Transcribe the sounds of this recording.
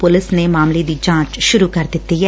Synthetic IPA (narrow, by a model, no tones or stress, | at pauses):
pʊlɪsneːmaːmled̪iːd͡ʒãːt͡ʃʃʊɾuːkəɾd̪ɪt̪ːiɦɛ